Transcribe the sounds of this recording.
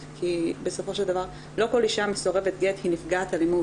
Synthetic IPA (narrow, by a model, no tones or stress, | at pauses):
kʰibe̞so̞fo̞ʃe̞ld̪avaʁ | lo̞ko̞liʃameso̞ʁe̞vet̪ɡethinifɡaːtalimu